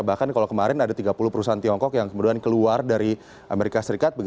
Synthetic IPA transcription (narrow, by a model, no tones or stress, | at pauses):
bahkankalokəmaɾɪnadat̪iɡapuluhpəɾusaɦant̪iɔŋkɔkjaŋkəmuduankəluardaɾi | ʔameɾikasəɾikat̪̚bəɡ